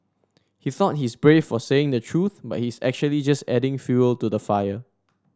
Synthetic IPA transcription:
hiθɔt̚hisbɹefːɔseɪ̃ŋdətʰɹuθba̰t̚hisɛ̰k̚t͡ʃuəlid͡ʒastɛdɪ̃ŋfjuəltudəfajə

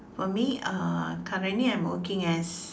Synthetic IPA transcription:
fɔmiʌkʰaɹaniãɪ̃mwə̰kɪ̃ŋɛs

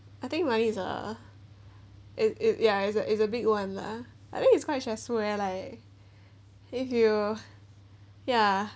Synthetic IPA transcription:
aɪθɪ̃ŋk̚manizə̰ | ʔɪsɪsjaɪsəʔɪs̬əbɪɡwãnla̰ | ʔaɪθɪ̃ŋkhiskwaɪt̚ʃaswɛlaɪk | ɪfju | ja

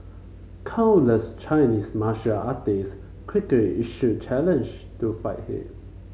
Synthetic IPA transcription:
kʰãʊ̃nləst͡ʃʰaɪniːsmaʃaʔat̪es | kʰɹikɹiʔiʃut͡ʃʰælə̃nd͡ʒtufajthḭ

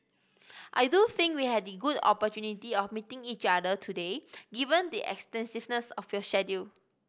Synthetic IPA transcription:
ʔajduθɪ̃ŋkwihɛdəɡudɔ̰pɔtjunitiɔfmitɪ̃ŋit͡ʃadətʰudeɡivə̃ndiʔɛ̰kstɛ̃nsivnəsɔfjɔʃɛdu

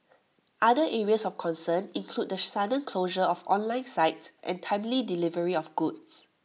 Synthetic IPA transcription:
ʔadəʔɛɹiəsɔfkʰɔ̃nsə̃nĩŋkʰl̥ud̚dəsadə̃nkʰloʒəɔfɔ̰̃nlãɪ̃nsaɪtsʔɛ̰̃ntʰãɪ̃mlidilivəɹiɔfɡ̥uds

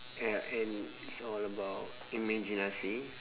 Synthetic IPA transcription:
ɛɛ̃n | isɔləbaʊt | imɛ̃d͡ʒinasi

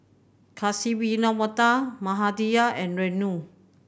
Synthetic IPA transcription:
kʰasiwinɔmɔtamaɦadijaʔɛ̃nɹɛnu

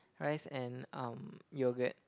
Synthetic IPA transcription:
ɹaɪsɛ̃nʌ̃mjuɡɛt̚

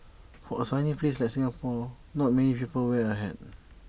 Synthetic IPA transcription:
fɔəsãnipleslajk̚sĩŋapɔ | nɔt̚mɛnipipəlwɛəɦɛd̚

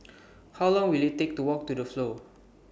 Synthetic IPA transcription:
hawlɔ̃ŋwilˠhitek̚tuwɔk̚tudəflo

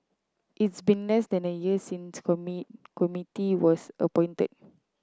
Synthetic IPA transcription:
ʔitsbĩnlɛsdɛ̃nəjiəsĩnskɔmikɔmitiwɔsə̰pɔ̃jntə̰d̚

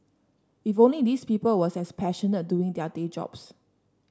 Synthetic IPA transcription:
ifõnlidispipəlwɔsɛspʰɛʃɔnət̚duɪ̃ŋdɛded͡ʒɔ̰bs

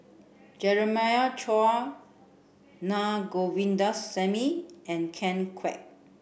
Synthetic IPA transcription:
d͡ʒɛɹəmajat͡ʃʰɔa | naɡowĩndasːɛmiɛ̃nkʰɛ̃nkʰwɛ̰k̚

